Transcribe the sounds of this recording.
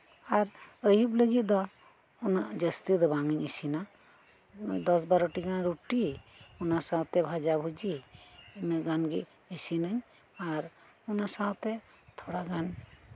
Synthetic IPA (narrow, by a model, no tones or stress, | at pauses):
aɾəjubləɡit̪̚d̪ɔ | unaʔd͡ʒəst̪id̪ɔbaŋəɲəsina | d̪ɔsbaɾuʈiɡanɾuʈiunasawt̪ɛbʱad͡ʒabʱud͡ʒi | nɡanɡḭ | əsinəɲ | aɾ | ɔnasawt̪ɛ | t̪ʰɔɽaɡan